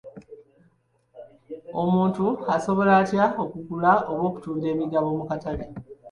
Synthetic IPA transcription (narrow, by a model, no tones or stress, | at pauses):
o̞muːntuaso̞βo̞laːtjao̞kuɡulao̞βwo̞ːku̥tuːiɾe̞ːmiɡaβo̞ːmukatale